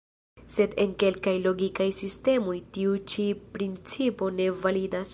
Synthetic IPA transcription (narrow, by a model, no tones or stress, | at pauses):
se̞de̞nke̞lkajlo̞ɡikajsiste̞mo̞jtiut͡ʃipɾint͡sipo̞ne̞validas